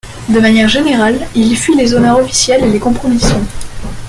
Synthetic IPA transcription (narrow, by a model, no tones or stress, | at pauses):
d̪əmanjɛʁʒeneʁalilfɥilezonœʁɔfi̥sjɛlelekɔ̃pχɔmisjɔ̃